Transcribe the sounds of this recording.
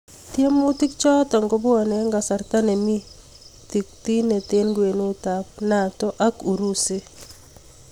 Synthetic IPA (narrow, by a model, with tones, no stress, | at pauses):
tje˦mu˦ti˦k̚t͡ʃɔ˦ta˨ŋɡo˦ba˨nɛ˦ŋɡa˨sa˨rt̪a˦ne˨mi˦ | t̪i˨k̚t̪i˦ne˨t̪e˦nɡwe˨nu˦ta˨p̚na˨tɔ˦ʔa˦ku˨ɾu˦se˦